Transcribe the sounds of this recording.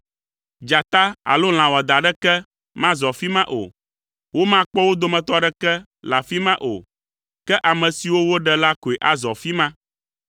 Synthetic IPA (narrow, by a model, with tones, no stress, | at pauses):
d͡ʒa˨t̪a˦a̰˨lo˦l̃ã˨wɔ˨d̪a˨ɖɛ˦kɛ˦ | mã˦zɔ˨fi˦mã˦ʔo̰˨ | wo˦mã˦k͡pɔ˦wo˦d̪o˨mɛ̃˨t̪ɔ˦ɖɛ˦kɛ˦ | la˨fi˦mã˦ʔo̰˨ | kɛ˦ʔa˨mɛ̃˨si˨wo˦wo˦ɖɛ˦la˦ko˨e˨ʔa˨zɔ˨fi˦mã˦